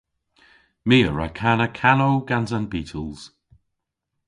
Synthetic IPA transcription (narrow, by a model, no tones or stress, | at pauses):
miːəɹa̰kʰanəkʰanoːɡanzanbiːtʰəlˠz̥